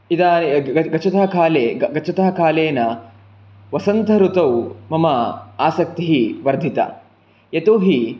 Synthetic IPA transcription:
id̪aːnɐɡɐt͡ʃʰɐt̪aɦɐkʰaːleːɡɐt͡ʃʰɐt̪ɐɦɐkʰaːleːnɐ | ʋɐsɐnt̪ɐɾut̪ɐwmɐmɐaːsɐk̚t̪iɦiʋɐɾd̪ʱit̪ɐ̰ | jɐt̪uːɦi

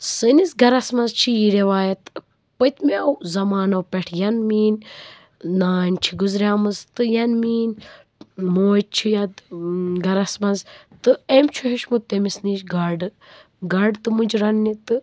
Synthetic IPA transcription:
sɨnisɡɐɾɐsmɐzt͡ʃʰijiɾeʋaːjɐt̪ | pət̪mewzɐmaːnɐwpʲɛʈʰjɐnmiːnʲ | naːnʲt͡ʃʰiɡuzɾʲaːmɨzt̪ɨjɐnmiːn | moːt͡ʃʰijat̪ɡɐɾɐsmɐzt̪ɨemt͡ʃʰuɦeʃmut̪ːemisniːʃɡaɖɨ | ɡɐɖt̪ɨmud͡ʒɾɐnːit̪ɨ

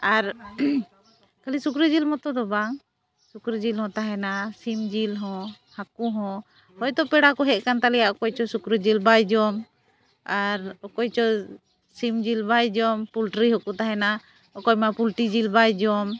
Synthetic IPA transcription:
aɾ | kalisukɾəd͡ʒilmɔt̪ɔd̪ɔbaŋ | sukɾəd͡ʒilɦɔ̃t̪aɦɛnasimd͡ʒilɦɔ̃ | hakuɦɔ̃ | hɔjd̪ɔpɛɽakɔɦɛʔ̪̚kant̪alɛjaʔɔkɔjt͡ʃɔsukɾəd͡ʒilbajd͡ʒɔm | aɾɔkɔjt͡ʃɔ | simd͡ʒilbajd͡ʒɔmpulʈɾiɦɔkut̪aɦɛna | ɔkɔjmapulʈid͡ʒilbajd͡ʒɔm

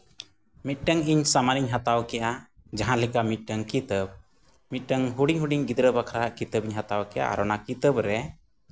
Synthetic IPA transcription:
mit̪̚ˀʈəŋiɲsamaniɲɦat̪awkɛʔa | d͡ʒaɦãlikamit̪̚ˀʈəŋkit̪əb̚ | mit̪̚ˀʈəŋɦuɽiŋɦuɖiɲɡid̪ɾəbakʰɾaɦaʔkit̪əbiɲɦat̪awkɛʔa̰a̰ɾɔnakit̪əbɾɛ

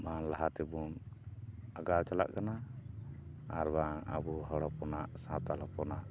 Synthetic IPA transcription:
manlaɦat̪ɛbun | aɡawt͡ʃala̰ʔkana | ɾbaŋa̰buɦɔɽɔpɔnaʔsãt̪alɔpɔnaʔ

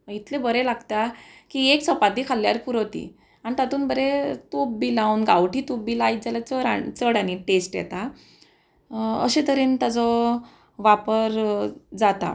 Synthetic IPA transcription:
it̪ʰlebəɾelaɡt̪akieksəpat̪ikʰalːjaɾpuɾɔt̪ḭ | añit̪at̪uːnbəɾet̪ubbilawnɡawʈiːt̪ubːilait̪̚d͡zalat͡səɾa̰t͡səɽaniʈesʈjɛ̰t̪a | əɕet̪əɾiːnt̪ad͡zɔ | ʋapəɾd͡zat̪a̰

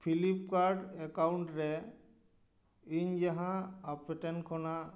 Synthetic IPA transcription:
pʰilip̚kaɾɖɛkawɳʈɾɛ | iɲd͡ʒaɦãapɛʈɛnkʰɔna

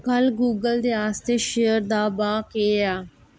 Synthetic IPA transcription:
kəlɡuːɡəld̪eːaːst̪eːʃejəɾd̪aːbaːkeːaː

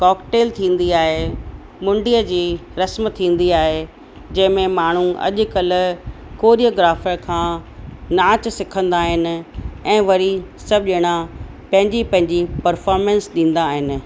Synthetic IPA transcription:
kɔːkʈeːlt̪ʰĩːn̆d̪iaːɦe | mʊ̃ɳɖiəd͡ʑiːɾɐsmt̪ʰːĩːn̆d̪iaːɦe | d͡ʑɐ̃ɦɪ̃mẽmaːɳ̤uɐ̰ʄkɐlʊ̆koːɾijoːɡɾaːfəɾkʰãːnaːt͡ɕsɪkʰə̃nd̪aːɦɪnɪ̆ɛ̃ːʋɐɾisɐb̚ʄɪɽ̃a | pɐ̃ɦɪ̃ɲd͡ʑipɐ̃ɦɪ̃ɲd͡ʑipɐɾfɔːɾmẽnsɗĩːn̆d̪aːɦɪnɪ̆

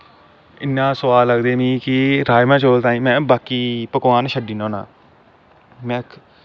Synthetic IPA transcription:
ɪnːãːsəʋaːlːəɡd̪eːmĩːkɪɾaːjmãːt͡ʃoːlt̪ãːiːmɛ̃ːbaːkiːpəkʋaːnʃəɖiːnõːnã̰ː | mɛ̃ː

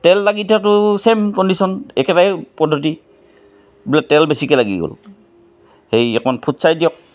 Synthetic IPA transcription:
tɛlːaɡitʰatʊsemkɔndisɔnɛkɛtajpɔdʱːɔti | bilatɛlbesikɛlaɡḭɡo̰l | hejɛkmɔnpʰutsajdijɔk̚

